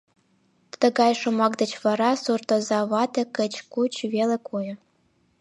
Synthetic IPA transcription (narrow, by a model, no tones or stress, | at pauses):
t̪ə̆ɡɑjʃŏmɑkd̪ə̆t͡ɕβɑɾɑsurt̪ŏzɑβɑt̪ʲekə̆t͡ɕkut͡ɕvelĕkojɤ̆